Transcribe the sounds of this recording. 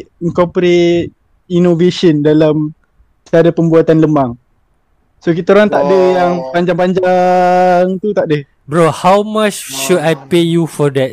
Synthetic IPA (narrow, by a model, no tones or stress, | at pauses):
iŋkɔpəɾet̚ | inoveʃəndalam | saɾapəmbuat̪anləmaŋ | sokit̪oɾaŋt̪aʔdəjaŋpaɲd͡ʒaŋpaɲd͡ʒa | ŋt̪ut̪aʔdə | bɹɔhawmat͡ʃʃudajpejufɔdɛt̚